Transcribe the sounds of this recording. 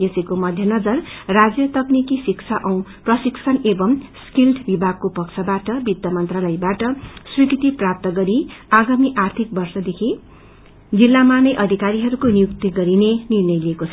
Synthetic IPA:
esikomʌd̪ʱjʌnʌd͡zʌrrad͡zjʌt̪ʌknikisikt͡sʰaʔʌw̃prʌsiksʰʌnebʌmskilʈʰbibʱaɡ̚kopʌkt͡sʰʌbaʈʌbid̪jʌmʌnt̪rʌlʌjbaʈʌsrikʰit̪iprap̚t̪ʌɡʌɾiaɡamiʔart̪ʰik̚bʌrsʌd̪ekʰi | d͡zilːamanʌjʔʌd̪ʱikaɾiɦʌɾukonijukt̪iɡʌɾinenirnʌjliekot͡sʰʌ

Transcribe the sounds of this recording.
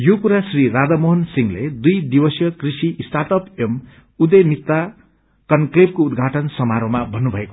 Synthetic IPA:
jokuɾasriɾad͡zamoɦʌnsiŋled̪ujd̪ibʌsjʌkrisiʔsʈat̪ʌpem | ud̪ʌjmit̪ːa | kʌnkleb̚koud̪ɡʱaʈʌnsʌmaɾomabʱʌnːubʱʌeko̥

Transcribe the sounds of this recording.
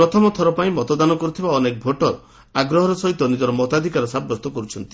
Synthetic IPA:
ɾɔt̪ʰɔmɔt̪ʰɔɾɔpaĩmɔt̪ɔd̪anɔkɔɾut̪ʰibaɔnek̚bʱoʈɔɾɔ | aɡɾɔɦɔɾɔsɔɦit̪ɔnid͡ʒɔɾɔmɔt̪ad̪ʱikaɾɔsabːɔst̪ɔkɔɾut͡ʃʰɔnt̪i̥

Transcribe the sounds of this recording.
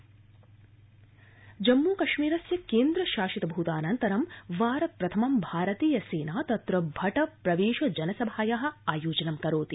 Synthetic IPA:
d͡ʒɐmːuːkɐʃmiːɾɐsjɐkeːnd̪ɾɐʃaːʃit̪ɐbʱut̪aːnɐnt̪ɐɾɐmʋaːɾɐt̪̚pɾɐt̪ʰɐmɐmbʱaːɾɐt̪iːjɐseːnaːt̪ɐt̪ɾɐbʱɐʈɐpɾɐʋeːʃɐd͡ʒɐnɐsɐbʱaːjaɦɐ̆aːjoːd͡ʒɐnɐmkɐɾoːt̪i

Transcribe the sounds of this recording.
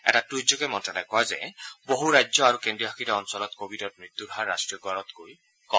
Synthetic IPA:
ɛ̰ʈatɾuid͡ʒːokemɔntɹalajkɔezḛboɦuɾajd͡ʒɔaɾukendiɔbʱakʰiɾeɔnsɔlɔt̪kobidɔt̚mɾit̪ːjuɾʱɦaɾːa̰sʈɹiɔɡaɾɔt̪koj | kɔ

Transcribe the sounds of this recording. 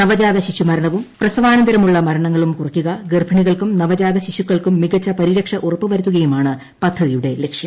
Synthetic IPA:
nɐʋɐd͡ʑaːd̪ɐɕiɕumɐɾɐɳɐʋumprɐsɐʋaːnɐnd̪ɐɾɐmuɭːɐmɐɾɐɳɐŋːɐɭumkurɐkʲːuɣɐɡerbʱɐɳiɣɐɭkumnɐʋɐd͡ʑaːd̪ɐɕiɕukːɐɭkumːiɣɐt͡ɕːɐpɐɾiɾɐkʂɐʔurɐpːɨʋɐɾut̪ːuɣɐjumaːɳɨ | pɐt̪ʰːɐðijuɽe̞lekʂjɐm

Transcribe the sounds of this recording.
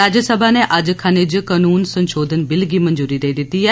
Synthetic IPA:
aːd͡ʒəsəbʱanɛʔɐd͡ʒkʰaned͡ʒkanuːnsənʃoːd̪ʱənbɪlɡiːmənd͡ʒuːɾid̪eːd̪ɪt̪ːiːɦɛː

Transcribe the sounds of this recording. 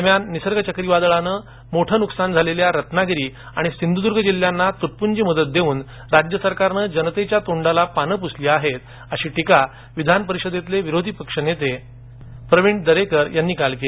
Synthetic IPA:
əɾmjanːisəɾɡət͡ɕəkɾiʋad̪əɭanəː | moʈʰəːnuksand͡zʱaleljaɾət̪naɡɾiː | a̰ɽ̃isind̪ʱud̪uɾɡʱəd͡ʑil̤janːat̪uʈ̚pund͡ʑiːməd̪ət̪̚d̪euːn | ɾad͡ʑjəsəɾkaɾnəd͡ʑənət̪et͡ɕjat̪oɳɖalapanəpusliːaɦet̪̚ | əɕiːʈika | ʋid̪ʱanpəɾiɕəd̪et̪leʋiɾod̪ʱipəkʂənet̪e | pɾəʋiɳʈd̪əɾekəɾjanːiːkalkele

